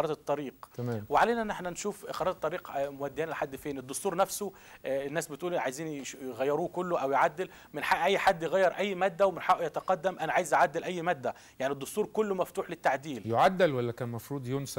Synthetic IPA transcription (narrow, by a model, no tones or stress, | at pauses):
ɾˤɑd̪t̪ˤːɑɾiːqt̪æmæːmweʕaleːnæʔnːʔeħnænʃuːfxɑɾˤɑt̪t̪ˤːɑɾiːqmʊwæd̪ːɪjæːnlħad̪ːfeːned̪ːʊst̪uːɾˤnæfso | nːæːsbɪt̪ʔuːlʔʕajziːnʃɣæjːɑɾuːkʊlːoʔæwjʕad̪ːɪl | mɪnħaʔʔæjːħad̪ːjeɣæjːɑɾʔæjːmæːd̪ːæwemɪnħaʔjæt̪æqɑd̪ːæmʔænæʕaːjezʔaʕad̪ːɪlʔæjːmæːd̪ːæ | jaʕnid̪ˤːʊst̪uːɾkʊlːmæft̪uːħlɪt̪ːaʕd̪iːljoʕad̪ːælwælːækæːnmɑfɾˤuːd̪ˤjonsæ